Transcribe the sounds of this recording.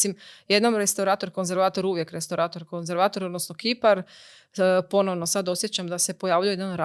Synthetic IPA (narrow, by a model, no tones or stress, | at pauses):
imje̞d̪nomɾest̪awɾaːt̪oɾko̞nze̞ɾʋaːt̪o̞ɾuʋje̞kɾest̪awɾaːt̪o̞ɾkonze̞ɾʋaːt̪o̞ɾod̪nosnokipaɾ | po̞noʋno̞sad̪o̞sjet͡ɕamd̪ase̞po̞jaːʋʎujejeanɾa